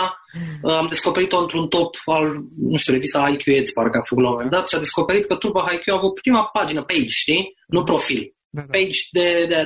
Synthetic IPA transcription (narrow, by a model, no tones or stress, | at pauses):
əamd̪e̞sko̞pe̞ɾit̪oɨnt̪ɾunt̪o̞palnuʃt̪iuɾe̞vist̪aajkjuet̪sʲpaɾekəafəkut̪lamome̞nd̪at̪ʃiad̪e̞sko̞pe̞ɾit̪̚kət̪ɾupaɦajkʲjuavut̪̚pɾimapad͡ʒinəpejd͡ʒʃt̪inupɾo̞fil | pejd͡ʒd̪ed̪e